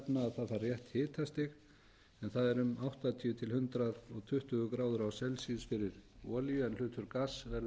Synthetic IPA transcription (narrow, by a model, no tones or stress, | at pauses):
pnaːðθaðθaɾrjɛht̪hɪːt̪ʰast̪ɪx | ɛnθaðɛɾʏmawht̪at̪ʰiʏt̪ʰɪlhʏnt̪ɾaðɔɣt̪ʰʏht̪ʏɣʏkɾaːwðʏɾawsɛlsiːðsfɪɾɪɾɔːljʏɛnl̥ʏːt̪ʰʏɾkasvɛ